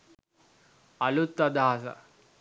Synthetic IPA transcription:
ɐlut̪ːɐd̪aːsɐ̰

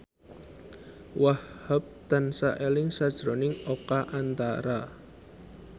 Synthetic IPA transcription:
wahhhap̚t̪ansaʔelɪŋsad̥ʒ̥ɾonɪŋokaʔant̪aɾa

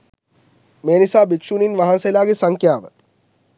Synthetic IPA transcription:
meːnisaːbikʂuːninʋaɦanselaːɡesɐŋkjaːʋə

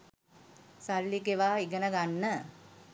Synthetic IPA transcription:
salːikeʋaːiɡənəɡanːə

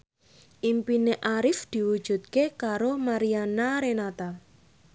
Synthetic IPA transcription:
ʔimpineʔaɾɪfd̪̥i̤wud̥ʒ̥ṳt̪̚kekaɾomaɾianaɾenat̪a

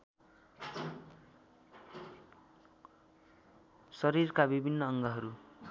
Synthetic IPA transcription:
sʌɾirkabibʱinːʌʌŋɡʌɦʌɾu

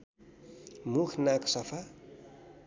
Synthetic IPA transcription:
mukʰnaksʌpʰa

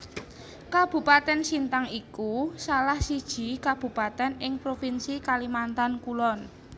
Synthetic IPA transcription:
kab̥ṳpat̪ɛnsint̪aŋikusalahsid̥ʒ̥i̤kab̥ṳpat̪ɛnɪŋpɾofinsikalimant̪ankulɔn

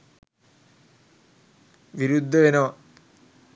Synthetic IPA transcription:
ʋiɾud̪ʱːɐʋenɐːɐ

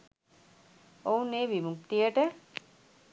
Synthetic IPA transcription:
ow̃neʋimukt̪ieʈe

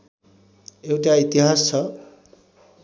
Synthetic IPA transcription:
ewʈait̪iɦast͡sʰʌ

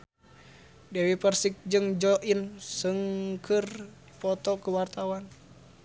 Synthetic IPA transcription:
dɛwipərsik̚d͡ʒɨŋd͡ʒɔʔinsɨŋkʰɨr | pɔt̪ɔkuwart̪awan

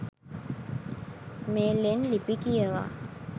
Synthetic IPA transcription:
melenlipikiəwa̰

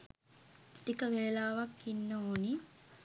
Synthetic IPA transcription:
t̪ikəʋeːlaːʋakːinːəoːni

